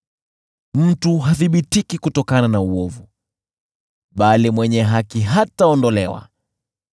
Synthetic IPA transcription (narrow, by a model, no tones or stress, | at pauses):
m̩tuɦaθiɓitikikutɔkananauɔvu | ɓalimwɛɲɛɦakiɦataɔndɔlɛwa̰